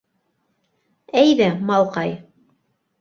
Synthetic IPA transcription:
æjðæmɑlˠqɑj

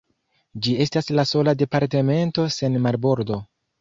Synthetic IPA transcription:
d͡ʒie̞staslaso̞lade̞paɾte̞me̞nto̞se̞nmaɾbo̞ɾdo̞

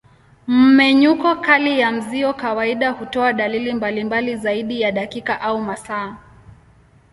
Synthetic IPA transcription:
m̩mɛɲukɔkalijam̩ziɔkawaiɗahutɔaɗalilimbalimbalizaiɗijaɗakikaʔaumasaː

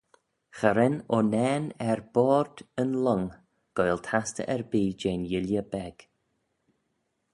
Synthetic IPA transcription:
xəɾɛnɔnɛːnɛɹbɔːɹd̪ənlɔŋ | ɡ̥ɔjlˠt̪ʰastə̰ʔɛɹbiːd͡ʒeːnjɪljəbɛɡ̥

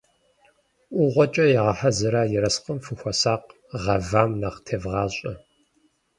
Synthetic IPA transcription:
ʔʷʊʁʷɔt͡ʃʼɐjɛʁɐħɐzɨɾaːjɪɾɐsqəmfɨxʷɔsaːq | ʁɐvaːmnaχtʰeːvʁɑːɕʼɐ

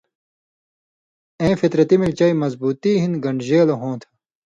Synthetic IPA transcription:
ẽːfit̪ɾɐt̪imilt͡ɕɐimɐzbuːt̪iːɦinɡɐɳɖʑeːlɐɦõːt̪ʰɐ̥

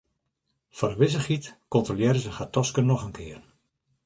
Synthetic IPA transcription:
fɔɾəʋɪzəxitkɔntroljɛɾəzəxatɔskənɔxənkʰɪːər

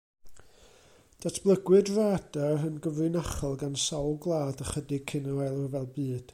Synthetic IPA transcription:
d̥atʰb̥lˠəɡwɨdraːd̥aənɡəvrɨnaχɔlˠɡansawlˠɡlˠaːdəχədɪɡ̚kʰɪnɔajlˠɔrvɛlˠbɨːd̥

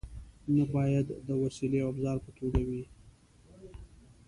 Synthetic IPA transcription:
nabɑjad̪ːəwasileoabzɑɾpət̪ʰoɡawi

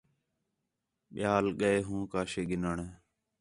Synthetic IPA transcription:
ɓɪjaːlɠəeːɦũːkaːʃeːɡɪnəɳeː

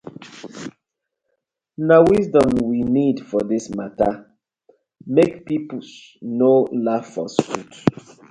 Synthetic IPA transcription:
nawisdɔ̃mwinidfɔdismata | mekpipus | nolav̥fɔ̰sut

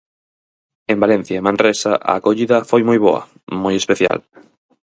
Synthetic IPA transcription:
ẽmbalɛ̃n̟θjaemãnresaʔa̰ːkoʎiðɐfojmojβo̰ɐ̰ | mojespeθja̰l

